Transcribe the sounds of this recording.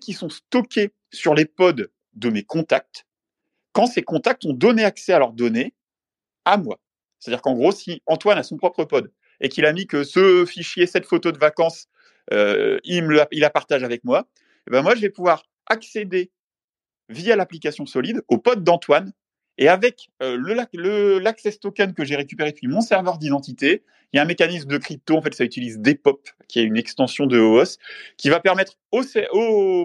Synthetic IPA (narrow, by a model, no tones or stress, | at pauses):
kʲisɔ̃st̪ɔkʲe | syʁlepɔd̪ː | əmekɔ̃t̪ak̚t̪ | kɑ̃sekɔ̃t̪ak̚t̪ɔ̃d̪ɔneaksɛalœʁd̪ɔne | amwa̰ | se̥t̪ad̪iʁkɑ̃ɡʁosiɑ̃t̪wanasɔ̃pχɔpχəpɔd̪ | ekilamikəsəfiʃjesɛt̪fot̪od̪əvakɑ̃s | ø̰iməilapaʁt̪aʒavɛkmwa | ebɛ̃mwaʒəvɛpuvwaʁ | aksed̪e | vialaplikasjɔ̃sɔlid̪opɔt̪̚d̪ɑ̃t̪wan | eavɛkøləaləlaksɛst̪ɔkankəʒeʁekʲypeʁepɥimɔ̃sɛʁvœʁd̪id̪ɑ̃t̪it̪e | iljaɛ̃mekanisməd̪əkχip̚t̪oɑ̃fɛt̪sayt̪ilizd̪epɔpkʲiɛynɛkst̪ɑ̃sjɔ̃d̪əoɔskʲivapɛʁmɛt̪χ | osɛo